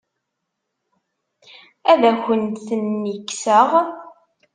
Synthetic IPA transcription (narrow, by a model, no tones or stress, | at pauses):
æðæçənt̪θənːikːsəʁ